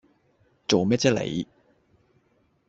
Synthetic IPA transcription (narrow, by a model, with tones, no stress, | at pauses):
t͡so˨wmɛː˥t͡sɛː˥lḛ˨˧j